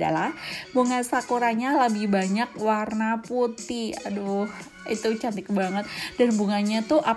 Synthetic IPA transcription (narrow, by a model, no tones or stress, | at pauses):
a̰labuŋasakuɾaɲaləbɪhbaɲak̚warnaput̪iadoh | it̪ut͡ʃant̪ɪk̚baŋət̪̚danbuŋaɲat̪uʔa